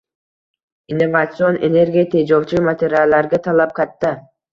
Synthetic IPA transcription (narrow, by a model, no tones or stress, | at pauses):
inːo̞vat̪sɨo̞nenerɡʲet̪ʲid͡ʒolˠt͡ʃumat̪ʲeɾʲɪalˠːɑɾɡɑt̪ʰɑlˠɑp̚qɑt̪ːa